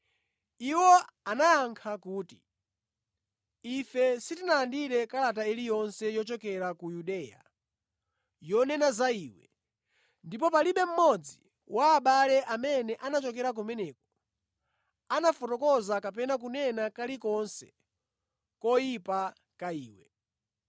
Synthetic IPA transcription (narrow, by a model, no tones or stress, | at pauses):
iwɔanajaŋkʰakuːti | ifɛsitinaːndiɾɛkalat̬ailijɔnsɛjɔt͡ʃɔkɛɾakujuɗɛːja̰ | jɔnɛnazaiːwɛ̰ | ndipɔpaliɓɛm̩mɔd͡zi | wʔaːɓalɛʔamɛnɛʔanat͡ʃɔkɛɾak̬umɛnɛkɔ̥ | anafɔtɔkɔzakapɛnak̬unɛnakalikɔnsɛ̥ | kɔjipa | kaiːwɛ